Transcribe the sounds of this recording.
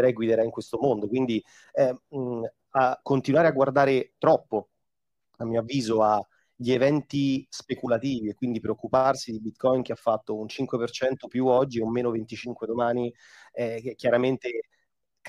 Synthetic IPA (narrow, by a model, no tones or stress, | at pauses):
ɾɛjɡwid̪eɾaiŋkwest̪omond̪okwind̪i | ɛ | akːont̪inwaːɾeaɡward̪aːɾet̪ɾɔpːo | amːiːoavːiːzoa | ʎievɛnt̪ispekulat̪iːviekːwind̪ipɾeokːuparsid̪ibit̪kɔink̟eafːat̪ːount͡ʃiŋkwepert͡ʃɛnt̪opjuɔd͡ʒːiomːeːnovent̪it͡ʃiŋkwed̪omaːni | ɛkekʲːjaɾament̪e | k